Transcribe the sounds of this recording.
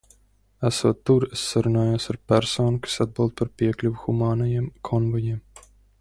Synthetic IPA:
æsuːt̪ːuɾesːaɾunaːjuːsaɾpæɾsoːnukḁsad̪̚bɨlˠd̪̚paɾpʲiɛklʲuvuxumaːnɔjiɛmkʰɔnvɔjiːm

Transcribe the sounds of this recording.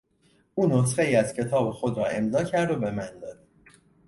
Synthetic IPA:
ʔuːnos̬xe̞iːæz̥cʰe̞t̪ʰɒːbexo̞d̪ɾɒːe̞mzɒːcʰæɾd̪obe̞mænd̪ɒːd̪̥̚

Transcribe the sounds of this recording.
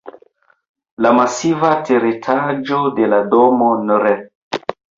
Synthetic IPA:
lamasivatʰeɾetʰad͡ʒodeladomonɔɾɛ

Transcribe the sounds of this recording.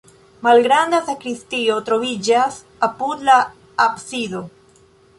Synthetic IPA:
malɡɾand̪asakɾist̪iot̪ɾoβiʝas | apud̪laː | psiðo

